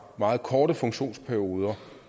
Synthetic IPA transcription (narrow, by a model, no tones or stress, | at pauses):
mɑ̈ːð̩ˠkʰɒːɾəfɔ̽ŋɕo̝̰ːnspʰæɐio̝ːð̞ˠɐ